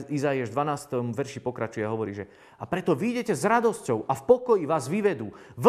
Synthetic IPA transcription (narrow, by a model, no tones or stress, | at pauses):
izaiaʒd̪ʋanaːst̪ɔmʋɛɾʃipɔkɾat͡ʃujɛaɦɔʋɔɾiːʒɛ | apɾɛt̪ɔʋiːɟɛcɛzɾad̪ɔscɔʊʔafpɔkɔjiʋaːzʋiʋɛd̪uːʋ